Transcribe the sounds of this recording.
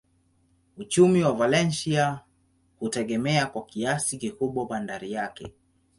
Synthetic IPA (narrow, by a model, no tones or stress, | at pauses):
ut͡ʃumiwavalɛnsia | hutɛɠɛmɛakwakiasikikuɓwaɓandaɾijakɛ̰